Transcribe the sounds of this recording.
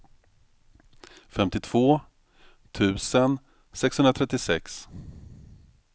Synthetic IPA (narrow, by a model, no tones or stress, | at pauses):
fɛmt̪ɪt̪ʰv̥oː | t̪ʰʉ̟ːsən | sɛkshɵnɾat̪ʰɾɛt̪ːɪsɛks